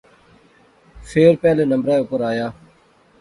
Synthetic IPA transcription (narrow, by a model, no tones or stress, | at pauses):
fʰeːɾpɛːleːnəmbɾaːeʊpəɾaːjaː